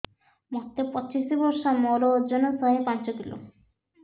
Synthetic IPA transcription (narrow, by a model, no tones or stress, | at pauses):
mɔt̪ːepɔt͡ɕiʃibɔɾʃamɔɾod͡ʑonosɔɦepant͡ɕot̪ʰilo̰